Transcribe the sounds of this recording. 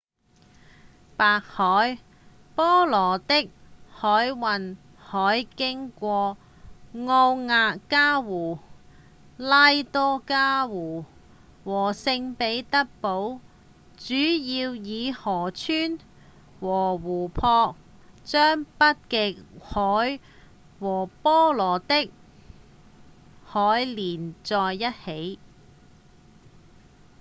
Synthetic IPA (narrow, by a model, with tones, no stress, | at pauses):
paː˧k̚hɔː˨˥j | pɔː˥lɔː˨˩t̪ɪ˥k̚hɔː˨˥jwɐ˨˩n | hɔː˨˥jkɪ˥ŋkʷɔː˧ | ŋɔː˧wŋaː˧kaː˥wuː˨˩ | laː˥jt̪ɔː˥kaː˥wuː˨˩ | wɔː˨˩sɪ˧ŋpe˨˥jt̪ɐ˥k̚po˨˥w | t͡ʃyː˨˥jiː˧wjiː˨˧hɔː˨˩t͡ʃʰyː˥n | wɔː˨˩wuː˨˩pʰɔː˧k̚ | t͡sœː˥ŋpɐ˥t̚kɪ˨˧khɔː˨˥j | wɔː˨˩pɔː˥lɔː˨˩t̪ɪ˥k̚ | hɔː˨˥jliː˨˩nt͡sɔː˧jːɐ˥t̚he˨˥j